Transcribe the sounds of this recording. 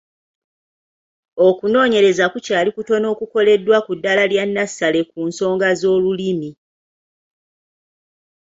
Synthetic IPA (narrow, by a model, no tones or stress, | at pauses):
okuno̞ːɲe̞ɾe̞zakucaːlikuto̞no̞ːkuko̞le̞dːwakudːalaljanːasːale̞kuːnso̞ːŋɡazo̞ːlulimi